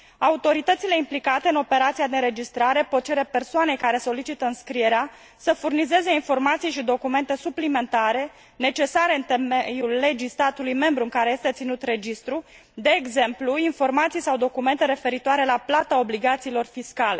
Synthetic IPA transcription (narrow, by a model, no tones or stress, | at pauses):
aut̪o̞ɾit̪ət̪sile̞implikat̪eɨno̞pe̞ɾat̪sijad̪eɨɾe̞d͡ʒist̪ɾaɾe̞pot̪̚t͡ʃe̞ɾe̞pe̞rsoane̞jkaɾe̞so̞lit͡ʃit̪əɨnskɾije̞ɾea | səfurnize̞ze̞info̞rmat̪sijʃid̪o̞kume̞nt̪e̞suplime̞nt̪aɾe̞ | ne̞t͡ʃe̞saɾe̞ɨnt̪emejulːe̞d͡ʒist̪at̪ulujme̞mbɾuɨŋkaɾe̞je̞st̪et̪sinut̪re̞d͡ʒist̪ɾu | d̪e̞ːɡze̞mpluinfo̞rmat̪sijsawd̪o̞kume̞nt̪e̞ɾe̞fe̞ɾit̪oaɾe̞laplat̪ao̞bliɡat̪siːlo̞rfiskale̞